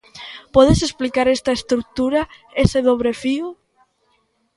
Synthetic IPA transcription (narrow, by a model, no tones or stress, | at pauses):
pɔðesesplikaɾest̪aest̪ɾuk̚t̪uɾa | eseðoβɾefiu